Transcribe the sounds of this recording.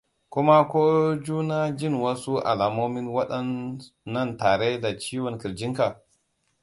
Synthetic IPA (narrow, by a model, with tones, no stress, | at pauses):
kʊ˦ma˦kʷoː˦d͡ʒuː˦na˦d͡ʒɪ˦˨nwɐ˦su˦ʔa̰˨laː˨moː˦mɪ˦nwɐ˦ɗɐ˦nː | ɐ˦˨ntaː˨ɽe˦da˨t͡ʃiː˦wɔ˨ŋkɪ˨ɾd͡ʒɪ˦ŋka˨